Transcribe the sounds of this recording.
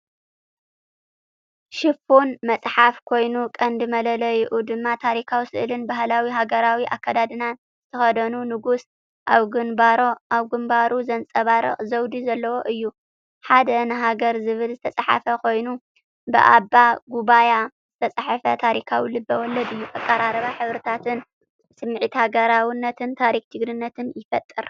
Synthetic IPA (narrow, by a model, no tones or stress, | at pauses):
ʃɪfonmɐt͡sʼħafkʰo̞jnukʼɐnd̪ɨmɐlɐlɐjɪʔud̪ɨmːat̪ʰaɾikʰawisɨ̰ʔɨlɨnbahlawiɦaɡɐɾawiʔakʰːad̪ad̪ɨnan | z̥ɨt̪ʰɐxɐd̪ɐnunɨɡus | ʔaβɡɨnbaɾoaβɡɨmbaɾuzɐnt͡sʼɐβaɾɐ̰χʼzɐwd̪izɐlːɐwo̞ʔɨjːu | ħad̪ɐnɨɦaɡɐɾzɨβɨlzɨt̪ʰɐt͡sʼaħa̰fɐkʰo̞jnu | bɨ̰ʔa̰bːaɡuβaja | z̥ɨt̪ʰɐt͡sʼaħafɐt̪ʰaɾikʰawilɨbːɐwɔlːɐd̪ɨjːuʔakʼːɐɾaɾɐβaħɨβɾɨt̪ʰat̪ʰɨn | sɨmːɨʕit̪haɡɐɾawɨnːɐt̪ʰɨnt̪ʰaɾikt͡ʃ̪ʰɨɡɾɨnːɐt̪ʰɨnjɪfɐt̪ʼːɨ̰ɾ